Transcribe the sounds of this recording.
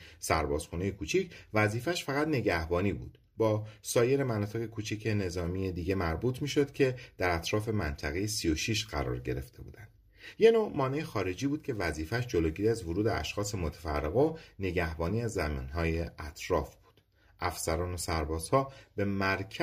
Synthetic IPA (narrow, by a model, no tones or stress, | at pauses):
sæ̰ɾbɒ̰ːz̥xunejekʰuːt͡ʃʰicʰvæziːfæʃfæɣæt̪ne̞ɟæhbɒːniːbṵd̪̥ | bɒːsɒːje̞ɾe̞mænɒːt̪ʰe̞ɣekʰuːt͡ʃʰicʰe̞ne̞zɒːmije̞d̪iːɟe̞mæɾbuːt̪ʰmiːʃo̞d̪̥cʰe̞d̪̥æɾæt̪ʰɾɒːfe̞mænt̪ʰæɣe̞jesijo̞ʃiʃɢæ̰ɾɒ̰ːɾɟe̞ɾe̞ft̪ʰe̞̰bṵːd̪ænd̪̥ | je̞nomɒːnejexɒːɾe̞d͡ʒiːbuːd̪̥̚cʰe̞væziːfæʃd͡ʒo̞loːɟiːɾiæzvoɾuːd̪eæ̰ʃxɒːse̞mot̪ʰe̥fæ̰rːeɣone̞ɟæhbɒːniːæzːæmḭːnɦɒːjeʔæt̪ʰɾɒːfb̥u̥ːd̪̥ | ʔæfsæɾɒːno̞sæɾbɒːz̥hɒːbe̞mæɾcʰ